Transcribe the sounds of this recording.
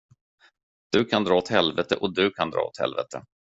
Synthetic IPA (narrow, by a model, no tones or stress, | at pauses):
d̪̥ɵkʰand̪ɾɑːɔt̪hɛlvɛt̪əʔɔd̪ɵkʰand̪ɾɑ̰ːo̰t̪hɛ̰lvɛ̰t̪ʰə